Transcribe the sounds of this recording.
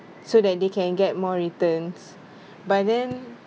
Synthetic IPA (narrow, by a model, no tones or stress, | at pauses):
sodɛt̚dekɛ̃nɡɛt̚mɔɹitə̃ns | bat̚dɛ̃n